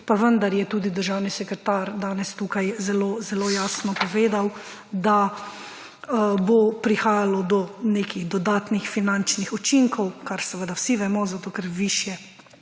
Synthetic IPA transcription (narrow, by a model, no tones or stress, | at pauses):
paʋənd̪aɾjɛt̪uːd̪id̪əɾʒawnisɛkɾɛt̪aɾd̪aːnɛst̪ukajzɛloːzɛloːjaːsnɔpɔʋeːd̪aw | d̪a | bopɾixaːjalɔd̪ɔneːkiɣd̪ɔd̪aːt̪nixfinant͡ʃnixɔt͡ʃiŋkɔwkaɾsɛʋəd̪awsiʋɛmɔzat̪oːkɛɾʋiʃjɛ